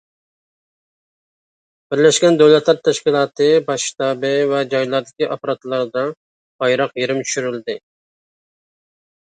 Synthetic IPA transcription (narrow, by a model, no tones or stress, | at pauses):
b̥ɪɾlɛʃkʲɛnd̪øwlɛt̪lˠɑɾt̪ʰɛʃkʲilˠɑːt̪ɨbɑʃʃit̪ɑːbɨvɛd͡ʒɑjlˠɑɾd̪ɪkʲiʔɑpɾɑt̪lˠɑɾd̪ɑ | b̥ɑjɾɑqjeɾɪmt͡ʃʰy̥ʃyɾyld̪ɪ